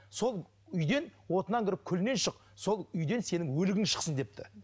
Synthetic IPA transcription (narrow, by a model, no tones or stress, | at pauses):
so̞lˠ | ʏjd̪e̞nwo̞t̪ənɑŋkʲʰɪɾɪp̚kʲʰʏlne̞nʃəq | so̞lˠʏjd̪e̞nse̞nɪŋwɵlɪɡʲɪŋʃə̥qsənd̪e̞p̚t̪ʰɪ̰